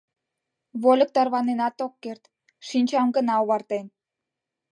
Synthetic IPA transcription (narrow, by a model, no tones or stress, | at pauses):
βolʲə̆k̚t̪ɑrβɑnenɑt̪okːert̪ | ʃinʲt͡ɕɑmɡə̆nɑoβɑrt̪en